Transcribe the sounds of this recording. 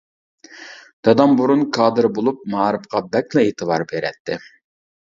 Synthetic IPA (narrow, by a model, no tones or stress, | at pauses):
d̪̥ɑd̪ɑmbuɾunkʰɑːd̪ɨɾbolˠup̚mɑːɾɨfqɑbɛklˠɛet̪ʰɨbɑɾbeɾɛ̰t̪ʰːɪ